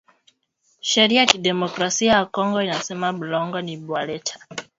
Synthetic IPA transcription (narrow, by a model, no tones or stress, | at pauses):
ʃɛɾiajakiɗɛmɔkɾasiajakɔŋɡɔinasɛmaɓulɔŋɡɔniɓwalɛtʰḁ